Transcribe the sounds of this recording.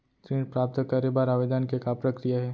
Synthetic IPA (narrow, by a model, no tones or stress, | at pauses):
t̪ɾẽːɳɖpɾaːp̚t̪əkaɾebaːɾaʋed̪ankekapɾɐkɾijaɦɛː